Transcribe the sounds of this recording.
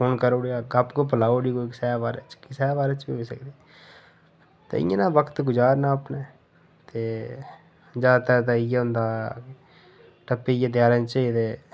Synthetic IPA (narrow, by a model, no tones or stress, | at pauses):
fʰoːnkəɾoːɽiaːɡapkoːpəlaːoːɽiːkoːksɛːbaːɾḛt͡ʃkisɛːbaːɾet͡ʃbiːɦoːisəkd̪iː | t̪ḛːɪ̰jḛ̃ːnãːʋəkʰə̥t̪ɡʊd͡ʒaːɾnãːəpneː | t̪eː | d͡ʒaːt̪ɛːt̪̬aːɪjaɦʊ̃nd̪aː | ʈəpːejẽd̪jaːɾẽːt͡ʃəit̪eː